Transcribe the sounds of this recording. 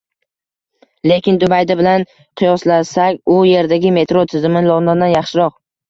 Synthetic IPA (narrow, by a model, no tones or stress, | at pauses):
le̞kʲɪnd̪ʊbajd̪ɪbɪlan | qʰɨjɒslasakʲʊje̞ɾd̪aɡʲɪme̞t̪ɾot̪ʰɪzɪmɪnlˠɒnd̪and̪anjɑχʃɪɾɒq